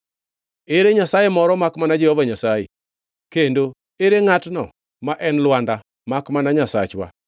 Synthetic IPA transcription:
eɾeɲasajemɔɾɔmakmanad͡ʒɛhɔvaɲasajḛ | kendo | eɾeŋatnɔ̰ | maʔɛnlwanda | makmanaɲasa̰t͡ʃwa̰

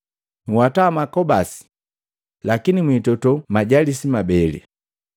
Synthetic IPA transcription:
ŋ̩wataːmakɔbasi̥ | lakinimwitɔtɔmaɟalisimabɛlḭ

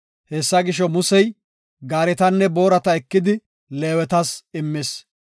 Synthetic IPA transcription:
heːsːɐɡɪʃɔmʊsɛj | ɡaːɾɛt̪ɐnːɛbo̞ːɾɐt̪ɐɛkːɪd̪ɪ | le̞ːwɛt̪ɐsɪmːɪs

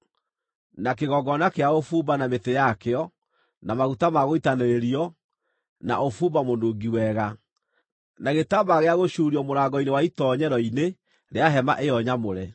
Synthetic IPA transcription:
nak̬eɣɔɡɔnakeaofuːbanametejakeɔ | namaɣutamaɣoitaneɾeɾiɔ | na̰ʔofuːbamondoɡiwɛɣa | naɣetabaɣeaɣoɕuːɾiɔmoɾaːɡɔinewaitɔɲɛɾɔine | ɾeaɦɛma̰ʔejɔɲamoɾɛ

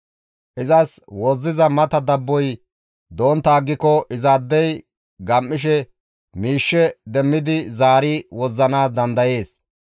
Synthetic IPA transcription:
ʔɪzɐswɔzːɪzɐmɐt̪ɐd̪ɐbːɔj | d̪o̞ːnt̪aːɡːɪkɔʔɪzaːd̪ːɛj | ɡɐmːɪʃ̬ɛ | miːʃːɛd̪ɛmːɪd̪ɪzaːɾɪwɔzːɐnaːsd̪ɐnd̪ɐje̞ːs

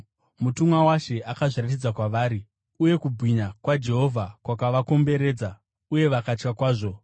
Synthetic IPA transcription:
mutumwawaʃe̞akaʐiratid͡zakwaʋaːɾi | uje̞kubʱwiɲakwad͡ʒe̞ɦo̞vʱakwakaʋako̞mbe̞ɾe̞ːd͡za | uje̞ʋakat͡ʃkakwaːʐo̞

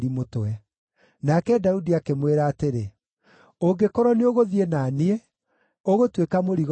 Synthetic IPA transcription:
ɾimotwɛ | nakɛdaudiakemweɾaːteɾe | oŋɡekɔɾɔneoɣoðienanie | oɣotwekamoɾiɣ

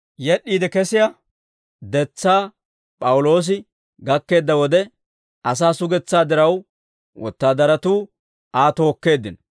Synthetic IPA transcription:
jɛɗːiːd̪ɛkɛsɪja | d̪ɛt͡sːaː | pʼɐwʊlo̞ːs̬ɪ | ɡɐkːe̞ːd̪ːɐwɔd̪ɛ | ʔɐs̬aːsʊɡɛt͡sːaːd̪ɪɾɐw | wʔɔ̰t̪ːaːd̪ɐɾɐt̪uː | aːt̪o̞ːkːe̞ːd̪ːɪn

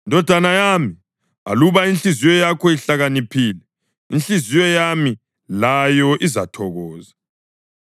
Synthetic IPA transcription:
indʱɔd̥ʱanajami | βa̰luβainɬizijɔjakʰɔiɬaɣanipʰiːlɛ | inɬizijɔjami | lajɔʔizatʰɔɣɔːza

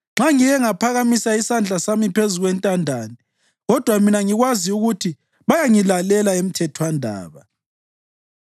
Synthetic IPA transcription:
ŋ͡ǁaŋijɛŋapʰaɣamisaisand͡ɮʱasamipʰezuɣwɛntʼandʱaːni | ɣɔd̥ʱwaminaŋiɣwaziuɣutʰi | βajaŋilalɛlaem̩tʰɛtʰwandʱa̰ːβa

